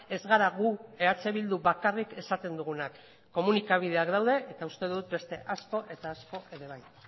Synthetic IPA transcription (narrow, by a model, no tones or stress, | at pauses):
e̞zɣaɾaɣue̞at͡se̞βild̪uβakarike̞sat̪e̞nd̪uɣunakː | o̞munikaβ̞ið̞e̞akd̪awðe̞ʔet̪aust̪e̞ðuut̪̚be̞st̪e̞̰ʔasko̞ʔe̞t̪aːsko̞ʔe̞ðe̞β̞aj